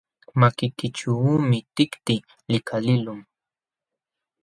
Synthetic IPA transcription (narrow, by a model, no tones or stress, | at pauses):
makɪkɪt͡ʃumɪt̪ɪkt̪ɪ | lɪkʰalɪlʊm